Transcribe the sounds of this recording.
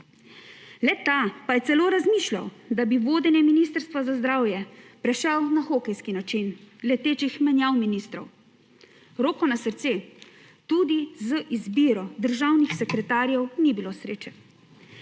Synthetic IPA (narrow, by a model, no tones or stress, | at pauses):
lɛt̪apajɛt̪sɛloːɾazmiːʃlʲa̰wd̪abiʋoːd̪ɛnjɛminist̪əɾst̪ʋazazd̪ɾaːwjɛpɾɛʃɛwnaxoːkɛjskinat͡ʃinlɛt̪eːt͡ʃixmɛnjawminist̪ɾɔ̰w | ɾoːkɔnasəɾt̪se | t̪ud̪izəʔizbiːɾɔd̪əɾʒawnixsɛkɾɛt̪aːɾjɛwnibilosɾeːt͡ʃɛ